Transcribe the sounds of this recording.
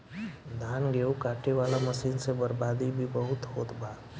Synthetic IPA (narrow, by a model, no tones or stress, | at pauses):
d̪ʱaːnɡeokaːʈeʋaːlaməsiːnsebəɾbaːd̪ibʱibəɦʊt̪ɦoːt̪baː